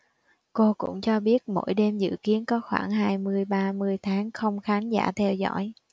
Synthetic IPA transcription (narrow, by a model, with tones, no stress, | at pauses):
ko˧kʊ̰˧˥ŋ͡mt͡ɕɔ˧ɓi˦˥ət̚mo̰˧˥jɗe˧mzɨ̰˧˨ki˨˦ənkɔ˨˦xwaː˧˩ŋɦaː˧jmɨ˧əjɓaː˧mɨ˧əjt̪ʰaː˨˦ŋxə˧wŋ͡mxaː˨˦nza̰ː˧˩t̪ʰɛ˧wzɔ̰ː˧˥j